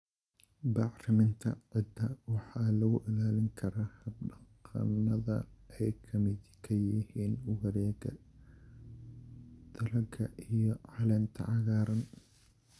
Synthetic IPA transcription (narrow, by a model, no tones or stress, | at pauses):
bɑʕrɐmɪnt̪ʰɐ̰ʕɪd̪ɐwɑħɑːlɐɣʊʔɪlaːlɪŋkʰɐɾɐːhɐb̚ɖɐqɐ̰nɐðɐ̰ɛjkʰɐmɪd̪kʰɐjɪhiːnʊɣɐɾɛːɡɐ | d̪̥ɐɾɐɡʰɐʔijɔʕɑlɛːnt̪ʰɐ̰ʕɑɣaːɾɐn